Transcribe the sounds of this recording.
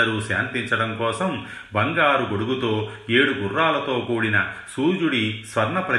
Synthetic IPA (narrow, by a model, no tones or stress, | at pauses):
ɐɾuːʃja̰ːnt̪iɲt͡ʃɐɽɐmkɔːsɐm | bɐŋɡaːɾuɡoɽuɡut̪o̞ːe̞ːɽuɡurːaːlɐt̪o̞ːkuːɽinɐsuːd͡ʒuɽisʋɐɾɳɐpɾɐ